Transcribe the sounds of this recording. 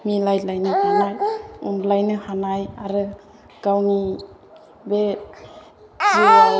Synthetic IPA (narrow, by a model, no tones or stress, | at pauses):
milajlajnɯhanajunlajnɯhanajaɾɯ | kawni | be | zia